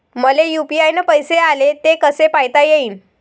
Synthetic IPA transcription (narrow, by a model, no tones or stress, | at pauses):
məlejupiajnəpəjsealet̪ekəsepajt̪ajeiːn